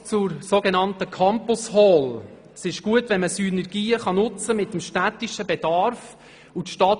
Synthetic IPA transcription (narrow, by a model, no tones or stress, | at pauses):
t͡sʊɾsoːɡenɑnt̪əkʰɑmpʊshɔːl | sɪʃɡ̥uətʋɛnməsynɛɾɡ̥iːəχɑnʊt͡səmɪt̪ːəmʃtæt̪iʃəbɛd̥ɑɾf | ut̪ʃtɑːt